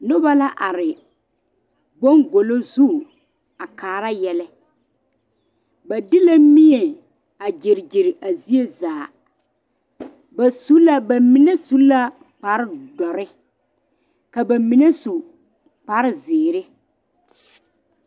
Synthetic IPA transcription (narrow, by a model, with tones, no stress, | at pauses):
nʊ˦ba˦la˦ʔa˨ɾɪ˨ | ɡ͡bo˦ŋɡo˨lo˦zu˦˨ | a˨kaː˨ɾa˦jɛ˦lɛ˦ | ba˨dɪ˦la˦mi˦e˨ | a˨d͡ʒe˨ɾɪ˨d͡ʒɪ˨ɾɪ˨ʔa˨zi˦e˦zaː˨ | ba˨su˦la˦ba˨mɪ˨ne˦su˦la˦ | pa˨ɾɪ˦dɔ˨ɾɪ˦ | ka˨ba˨mi˨ne˦su˨ | pa˨ɾɪ˦zɪː˨ɾɪ˦